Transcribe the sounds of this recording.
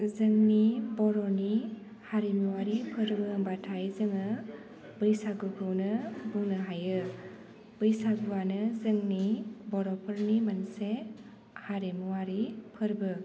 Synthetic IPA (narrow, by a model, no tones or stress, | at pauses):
zɯŋnibɔɾɔni | haɾemuwaɾipʰɯɾbɯmbatʰajzɯŋɯ | bɯjsaɡukʰɯwnɯbuŋnɯɦajɯ | bɯjsaɡuwanɯzɯŋnibɔɾɔpʰɯɾnimənse | haɾemuwaɾipʰɯɾbɯ